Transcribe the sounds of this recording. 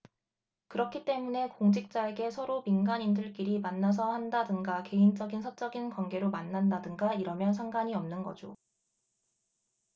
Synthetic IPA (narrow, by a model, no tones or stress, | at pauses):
kɯɾʌkʰit͈e̞mune̞koŋd͡ʑik̚t͡ɕ͈aeɡe̞sʰʌɾominɡaɲindɯɭk͈iɾimanːas̬ʰʌhandadɯŋɡake̞int͡ɕ͈ʌɡinsʰʌt͡ɕ͈ʌɡinkwanɡe̞ɾomanːandadɯŋɡaiɾʌmjʌnsʰaŋɡaɲiʌmnɯnɡʌ̰d͡ʑo